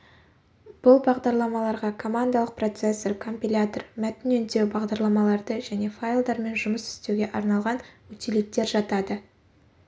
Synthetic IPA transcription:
b̥ʊlˠbɑʁd̪ɑɾlˠɑmɑlˠɑɾʁɑkʰo̞mand̪alˠəq̚pro̞t̪sesːeɾkʰo̞mpʲilʲat̪ormæt̪ɪnɵnd̪e̞wbɑʁd̪ɑɾlˠɑmɑlˠɑɾd̪əʒæne̞fajlˠd̪ɑɾme̞nʒʊməsɪ̥st̪e̞wɡʲe̞ʔɑɾnɑlˠʁɑnwɵt̪ʰelek̚t̪e̞ɾʒɑt̪ɑd̪ə

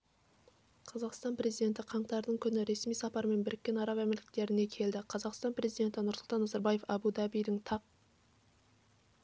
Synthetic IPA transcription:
qʰɑzɑqst̪ɑnpɾe̞zijd̪e̞nt̪ɪqʰɑɴt̪ɑɾd̪əɴkʲʰʏnɪɾe̞smijsɑpɑɾme̞nbɪɾɪkʲːe̞nɑɾɑvæmelʲɪ̥k̚t̪e̞ɾɪne̞kʲʰe̞ld̪ɪqʰɑzɑqst̪ɑnpre̞zijd̪e̞nt̪ɪnʊɾsʊlt̪ɑnːɑzɑɾbɑje̞fɑ̰bud̪ɑbijd̪ɪɴt̪ʰɑq̚

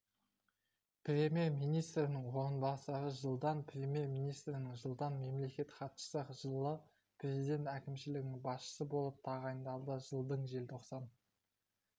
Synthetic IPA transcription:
prʲe̞mʲije̞rmijnijst̪ɾɪnɪŋwo̞ɾənbɑsəɾəʒəlˠd̪ɑnpʰrʲe̞mʲje̞rmijnijst̪ɾɪnɪŋʒəlˠd̪ɑnme̞mle̞kʲe̞t̪χʰɑt̪ʃə̥səʒ̥əlˠə | prʲe̞zid̪ʲe̞nt̪ækʲɪmʃɪlɪɡʲɪnɪŋbɑsʃə̥səbolˠəp̚t̪ʰɑʁɑjənd̪ɑlˠd̪əʒəlˠd̪əɴʒe̞lt̪ʰoqsɑn

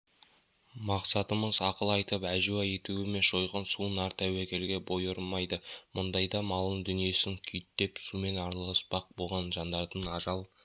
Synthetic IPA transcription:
mɑqsɑt̪əməzɑqəlˠɑjt̪əpæʒuɑe̞t̪uɪme̞nʒo̞jʁɑnsuənɑɾt̪æwækʲʰe̞lɡʲe̞bo̞jəɾmɑjd̪əmʊnd̪ɑjd̪ɑmɑlˠəŋd̪ʏnije̞sɪŋkʲʰʏjt̪ːe̞psume̞nɑɾlˠɑspɑq̚bo̞lˠʁɑnʒɑnd̪ɑɾt̪ənɑʒɑlˠ

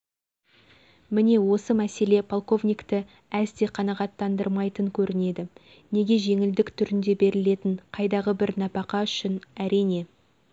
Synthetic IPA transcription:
mɪne̞wo̞səmæse̞le̞pʰolˠko̞vnʲijkt̪ə | æzt̪e̞qʰɑnɑʁɑt̪ːɑnd̪əɾmɑjt̪əŋkʲʰɵɾʔɪne̞d̪ɪ | ne̞ɡʲe̞ʒe̞ŋɪld̪ɪkt̪ʰʏɾɪnd̪e̞be̞ɾɪle̞t̪ɪɴqʰɑjd̪ɑʁəbɪɾnɑpɑqɑʏʃɪnæɾijne̞

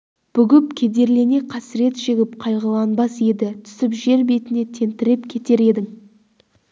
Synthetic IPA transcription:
b̥ʏɡʲɪp̚kʲʰe̞d̪e̞ɾle̞ne̞qʰɑsɾe̞t̪ʒ̥eɡʲɪp̚qʰɑjʁəlˠɑnbɑse̞d̪ɪt̪ʰʏ̥sɪpʒe̞ɾbe̞t̪ɪne̞t̪ʰe̞nt̪ɪɾɪpkʲʰe̞t̪e̞ɾe̞d̪ɪŋ

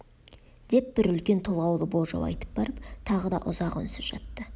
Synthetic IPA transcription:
d̪̥e̞p̚bɪɾʏlkʲe̞nt̪ʰo̞lˠʁɑwlˠəbo̞lˠʒɑ̰wɑ̰jt̪ə̥p̚bɑɾəp̚t̪ʰɑʁəd̪ɑ̰ʔʊzɑqʏ̰nsɪzʒ̥ɑt̪ːə

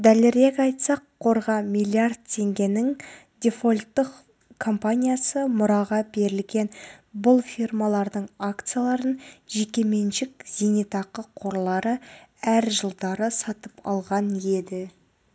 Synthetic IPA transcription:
d̪æleɾekɑjt̪sɑqʰːo̞ɾʁɑmijlʲˠiard̪̚t̪ʲʰe̞ŋɡʲe̞nɪŋ | d̪ʲe̞fo̞lʲt̪ːəq | kʰo̞mpanʲijasəmʊɾɑʁɑbe̞ɾɪlɡʲe̞nbʊlˠfʲirmalˠɑɾd̪əɴakt̪sɨjalˠɑɾənʒe̞kʲe̞me̞nʃɪkz̥ʲenet̪ɑqəqʰo̞ɾlˠɑɾəæɾʒəlˠd̪ɑɾəsɑt̪əpɑ̰lˠʁɑnje̞d̪ɪ

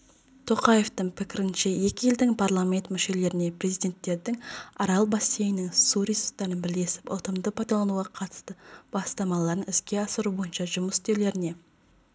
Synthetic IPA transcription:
t̪ʰo̞qɑje̞ft̪əŋpʰɪkʲɪɾɪnʃe̞je̞kʲɪje̞ld̪ɪŋpʰaɾlˠamʲe̞nt̪mʏʃe̞le̞ɾɪne̞pɾe̞zijd̪e̞nt̪ːe̞ɾd̪ɪŋɑɾɑlˠbɑsːejɪnɪŋsuɾisut̪ːɑɾənbɪle̞sɪ̥pʊ̰t̪əmd̪əpʰɑjd̪ɑlˠɑnuʁɑqʰɑt̪ə̥st̪əb̥ɑst̪ɑmɑlˠɑɾənɪskʲe̞ɑsəɾubo̞jənʃɑʒʊməst̪e̞le̞ɾɪne̞

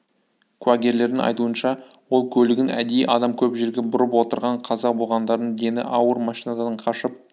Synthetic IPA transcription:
kʰuaɡʲe̞ɾle̞ɾd̪ɪŋɑ̰jt̪uənʃɑwo̞lˠkʲʰɵlɪɡʲɪnæ̰d̪ejʔɑd̪ɑmkʲʰɵpʒe̞ɾɡʲe̞bʊɾəpwo̞t̪əɾʁɑɴqʰɑzɑbo̞lˠʁɑnd̪ɑɾd̪ənd̪e̞nɪ̰ʔɑwəɾmɑʃijnɑd̪ɑnəɴqʰɑʃəp̚

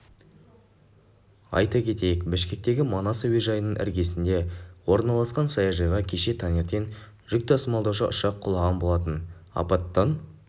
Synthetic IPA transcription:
ɑ̰jt̪ɑkʲʰe̞t̪e̞jɪkbɪʃkʲe̞k̚t̪e̞ɡʲɪmɑnɑsweʒɑjənəɴʔɪ̰ɾɡʲe̞sɪnd̪e̞wo̞ɾnɑlˠɑsqɑnsɑjɑʒɑjʁɑkʲʰe̞ʃe̞t̪ʰɑneɾt̪e̞n | ʒ̥ʏk̚t̪ɑsəmɑlˠd̪ɑwʃəʔʊʃɑqʰːʊlˠɑʁɑnbo̞lˠɑt̪ənɑ̰pɑt̪ːɑn

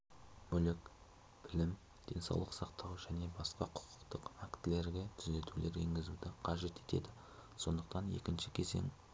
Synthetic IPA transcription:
mɵlɪk | b̥ɪlɪm | d̪̥e̞̰nsɑ̰wlˠəqsɑqt̪ʰɑwʒæne̞bɑsqɑqʰʊ̥qʰə̥qt̪əqakt̪ɪle̞ɾɡʲe̞t̪ʰʏze̞t̪ule̞̰ɾḛŋɡʲɪzud̪ɪqʰɑʒe̞t̪e̞̥t̪e̞̰d̪ɪ | so̞̰nd̪əqt̪ɑne̞̰kʲɪnʃɪkʲʰe̞ze̞̰ŋ

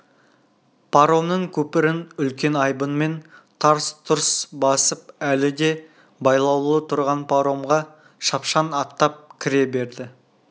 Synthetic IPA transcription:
pʰaɾo̞mnəŋkʲʰɵpɪɾɪnʏlkʲe̞nɑjbənme̞nt̪ʰɑɾst̪ʰʊɾsbɑsəpælɪd̪e̞ | bɑjlˠɑwlˠət̪ʰʊɾʁɑnpʰaɾo̞mʁɑ | ʃɑpʃɑnɑt̪ːɑp̚kʲʰɪɾe̞be̞ɾd̪ɪ

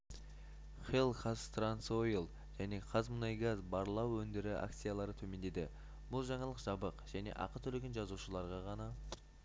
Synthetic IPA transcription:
χelˠkʰast̪ransojlˠ | ʒ̥æne̞qʰɑzmənɑjɡazbɑɾəlˠɑwɵnd̪ɪɾɪa̰k̚t̪sɨjalˠɑɾət̪ʰɵme̞nd̪e̞d̪ɪ | b̥ʊlˠʒɑɴɑlˠəqʒ̥ɑbəqʒ̥æne̞̰ʔɑ̰qət̪ʰɵleɡʲenʒɑzuʃəlˠɑɾʁɑʁɑnɑ

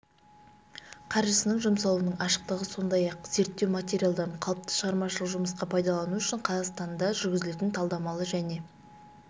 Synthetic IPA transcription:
qʰɑɾʒəsənəɴʒəmsɑlˠuənəɴɑʃə̥q̚t̪əʁəso̞nd̪ɑjɑqz̥e̞ɾt̪ːe̞wmat̪ʲe̞ɾijalˠd̪ɑɴqʰɑlˠəpt̪ʰə̥ʃəʁɑɾmɑʃəlˠəqʒʊməsqɑpʰɑjd̪ɑlˠɑnuʏʃɪɴqʰɑzɑʁst̪ɑnd̪ɑʒʏɾɡʲɪzɪle̞t̪ɪnt̪ʰɑlˠd̪ɑmɑlˠəʒæne̞

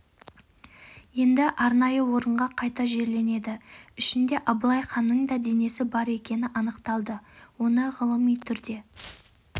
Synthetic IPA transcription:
je̞nd̪ɪʔɑɾnɑjəwo̞ɾəɴʁɑqʰɑjt̪ɑʒe̞ɾle̞ne̞d̪ɪʏʃɪnd̪e̞ʔɑblˠɑjχɑnːəɴd̪ɑd̪e̞ne̞sɪbɑɾe̞kʲe̞nɪʔɑnəqt̪ɑlˠd̪əwo̞nəʁəlˠəmijt̪ʰʏɾd̪e̞

